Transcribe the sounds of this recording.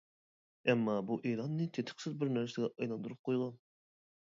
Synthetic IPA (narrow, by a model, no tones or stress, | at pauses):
ɛmːɑbuʔeːlˠɑnːɨt̪ʰet̪ʰɪ̥qsɪzbɪɾnæɾsɪɡʲɛʔɑjlˠɑnd̪uɾup̚qʰojʁɑn